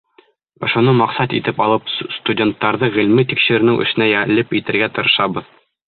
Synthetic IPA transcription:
ŏ̰ʃŏnɤmɑqsɑt̪ḭt̪ɘpɑlˠɤpst̪udʲent̪ːɑɾðɤʁĭlmɘt̪ikʃɘ̆ɾɘ̆nɘŋʔɘ̰̆ʃɘ̆næjælɘpit̪ɘ̆ɾɡæt̪ɤ̆ɾɤ̆ʃɑβɤð

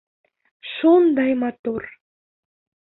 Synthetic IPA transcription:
ʃund̪ɑjmɑt̪ur

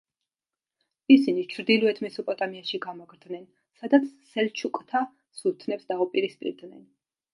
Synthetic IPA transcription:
isinit͡ʃʰɾd̪ilˠuɛt̪ʰmɛsɔpʼɔt̪ʼamiaʃiɡamɔɡɾd̪nɛn | sad̪at̪sʰːɛlt͡ʃʰukʼt̪ʰa | sut̪ʰnɛpsd̪aupʼiɾispʼḭɾd̪nɛn

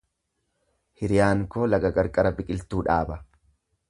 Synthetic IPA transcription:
hɪɾɪjaːŋkoːlɐɡɐkʼɐɾkʼɐɾɐbɪkʼɪlt̪uːᶑaːbɐ

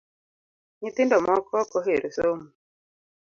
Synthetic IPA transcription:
ɲit̪indɔmɔkʰɔkoɦeɾʔusomu

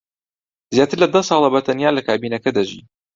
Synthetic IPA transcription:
zjaːt̪ɨɾlɐd̪ɐsˤɑːlˠɑbɐt̪ɐnjaːlɐkaːbiːnɐkɐd̪ɐʒḭː

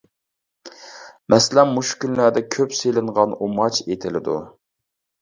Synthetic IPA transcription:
mʔɛslɛmːuʃkʲynlæd̪ɛkʲʰøpselɪɴʁɑnumɑt͡ʃet̪ʰɪlɪd̪ṵ

